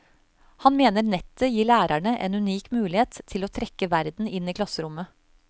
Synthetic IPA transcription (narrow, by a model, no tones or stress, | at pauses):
hɑnmeːnəɾnɛt̪əjiːɭæːɾæɳəʔɛ̰ːnʉniːkmʉːlɪheːt̪tʰːɪloːt̪ʰɾɛkəʋæɾd̪n̩ɪniːkʰlɑsəɾʊmə